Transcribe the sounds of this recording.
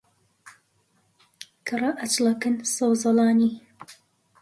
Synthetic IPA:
kʰɨrɐʔɐt͡ʃlɐkɨnsɐwzɑlɑːni

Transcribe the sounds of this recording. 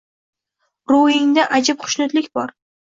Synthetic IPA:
ɾʊɪŋd̪aʔad͡ʒapχʊ̥ʃnʊt̪lɪkʲbɒɾ

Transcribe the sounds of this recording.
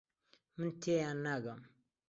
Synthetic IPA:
mənt̪ːejanːaɡam

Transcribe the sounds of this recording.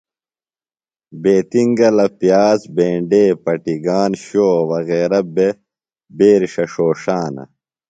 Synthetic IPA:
beːt̪iŋɡɐlɐpjaːsbẽːɳɖeːpɐʈiɡaːnɕoːwɐɣeːɾɐbe | beːɾʂɐʂoːʂaːnɐ̰

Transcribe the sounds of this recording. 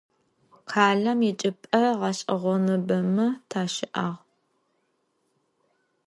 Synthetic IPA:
qʰaːɮɐmit͡ʃʼɪpʼɐʁɐɕʼɐʁʷɔnɨbɐmɨtʰaːʃɪʔaːʁ

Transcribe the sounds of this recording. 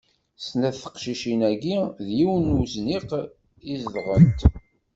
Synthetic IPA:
snæðθə̥qʃiʃinæɡiðjiwnuzniq | izðʁənt̪

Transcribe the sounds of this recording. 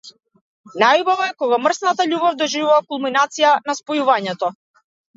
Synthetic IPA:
najubavɔɛkɔɡamr̩snat̪aʎubɔvd̪ɔʒivuvakulˠminat̪sijanaspɔjuvaɲɛt̪ɔ

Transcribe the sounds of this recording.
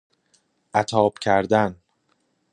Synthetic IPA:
ʔæt̪ʰɒːb̥cʰæɾd̪æn

